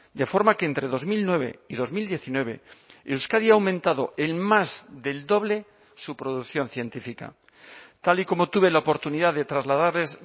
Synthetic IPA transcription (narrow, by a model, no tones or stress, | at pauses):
d̪e̞fo̞ɾmakeeːnt̪ɾe̞ðo̞zmilnwe̞βe̞̰iðo̞zmild̪je̞θinwe̞βe̞̰ewskaðiawmẽnt̪aðo̞ʔe̞lmazðe̞ld̪o̞β̞le̞ | supɾo̞ðukθjo̞nθje̞nt̪ifika̰ | t̪aliko̞mo̞t̪uβe̞laopo̞ɾt̪uniðaðe̞t̪ɾazlaðaɾle̞s